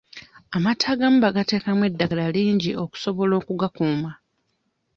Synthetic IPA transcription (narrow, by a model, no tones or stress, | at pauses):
amatʰaːɡam̩ubaɡate̞ːkamwe̞dːaɡalaliːɲɟio̞ku̥so̞βo̞lo̞ːkuɡakuːma